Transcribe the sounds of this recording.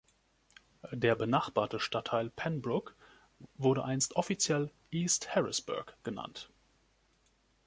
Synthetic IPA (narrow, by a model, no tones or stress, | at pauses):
deːɐbənaχb̥aːɐtəʃtatʰːaɪlpʰɛnbʁʊk | vʊɐɾəʔaɪnstʔɔfit͡sjɛl | ʔiːsthɛʁɪ̰sb̥ʊ̰ɐkɡ̥əna̰nt